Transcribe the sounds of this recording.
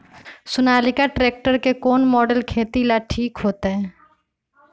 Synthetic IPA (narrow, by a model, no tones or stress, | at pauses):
sʊnaːlɪkaʈɾeːk̚ʈəɾkekoːnmɔːɖəlkʰeːt̪ilaʈʰiːkɦoːt̪eɦɛ̃ː